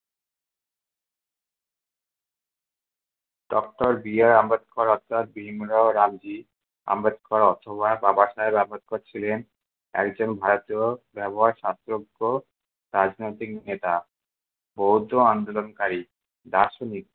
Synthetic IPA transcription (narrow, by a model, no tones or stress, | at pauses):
ɖɔk̚ʈoɾbiaɾambed̪̚kʰaɾɔt̪ʰːat̪̚bɾimɾɔɾabd͡ʑi | a̰mbet̪̚kʰɔɾɔt̪ʰobababaʃaebɛbʱoɦad̪̚kʰoɾt͡ɕʰilen | ɛ̰kd͡ʑonbʱaɾot̪iobɛboɦaɾʃast̪ɾoɡo | ɾad͡ʑnojt̪iknet̪a | bowd̪ʱoand̪olonkaɾi | d̪aʃonik̚